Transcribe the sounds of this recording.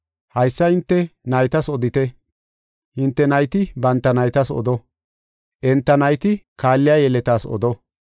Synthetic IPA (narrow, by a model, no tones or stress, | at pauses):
hɐjsːɐhɪnt̪ːɛnɐjt̪ɐsɔd̪ɪt̪ɛ | hɪnt̪ːɛnɐjt̪ɪbɐnt̪ːɐnɐjt̪ɐsɔ̰d̪ɔ | ʔɛnt̪ːɐnɐjt̪ɪkaːlːɪjajɛlɛt̪aːsɔ̰d̪ɔ